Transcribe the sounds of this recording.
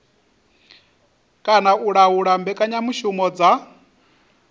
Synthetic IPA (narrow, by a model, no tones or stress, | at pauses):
kʼanaʔuɺauɺambɛkʼaɲamuʃumɔd͡za